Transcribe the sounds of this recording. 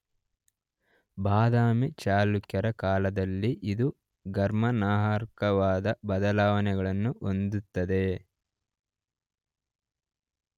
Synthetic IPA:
bʱaːd̪aːmit͡ʃaːlukjɐɾɐkaːlɐd̪ɐlːiʔid̪u | ɡɐɾmɐnaːɦaːɾkɐʋaːd̪ɐbɐd̪ɐlaːʋɐnɛɡɐɭɐnːuʔond̪ut̪ːɐd̪e̞

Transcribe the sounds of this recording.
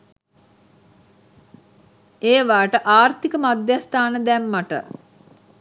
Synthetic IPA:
eːʋaːʈəʔaːrt̪ikəmad̪jast̪aːnəd̪ɛmːaʈə̰

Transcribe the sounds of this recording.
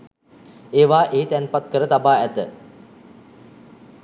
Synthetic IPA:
eːʋaːʔeit̪ɛnpat̪kəɾət̪abaːæt̪ə

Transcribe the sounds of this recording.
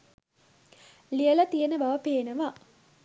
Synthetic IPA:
lijəlɐt̪ijənəbɐʋəpeːnəʋa

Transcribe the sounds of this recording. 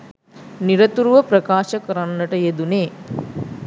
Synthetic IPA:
niɾɐt̪uɾuʋəpɾɐkaːʃəkəɾanːəʈəjed̪uneː

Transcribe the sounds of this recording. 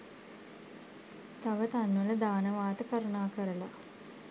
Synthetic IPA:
t̪ɐʋət̪anʋələd̪aːnəʋaːt̪əkɐɾunaːkəɾəla

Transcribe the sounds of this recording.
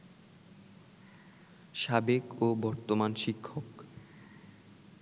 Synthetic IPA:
ʃabekobɔɾt̪omanʃikʰːok

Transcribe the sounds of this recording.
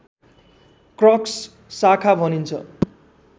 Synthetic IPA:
krʌks | sakʰabʱʌnint͡sʰʌ̰

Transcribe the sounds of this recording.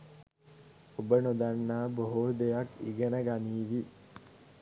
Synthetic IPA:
obənod̪anːaːboɦod̪ejakiɡenəɡaniːʋi

